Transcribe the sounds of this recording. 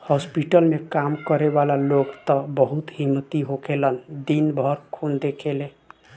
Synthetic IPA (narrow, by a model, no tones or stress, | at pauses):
hɔspiʈəlmekamkəɾebalaloɡt̪əbəɦut̪ɦimːət̪iɦokelənd̪inbʱəɾkʰund̪ekʰele